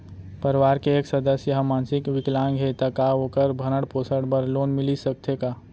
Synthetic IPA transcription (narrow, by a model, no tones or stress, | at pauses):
pəɾʋaːɾkeeːksɐd̪əsjɐɦəmaːnsɪkʋɪklãːŋɡɦet̪akaokəɾbʱɐnəɽpoːsəɽbəɾloːnmɪlisək̚t̪ʰekaː